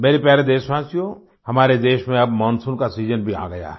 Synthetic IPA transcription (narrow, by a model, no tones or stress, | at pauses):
meːɾepjaːɾed̪eːʃswaːsijõ | hɐmaːɾed̪eːʃmẽɐbmɔːnsũːnkasiːzənbʱiã̰ːɡɐja̰ː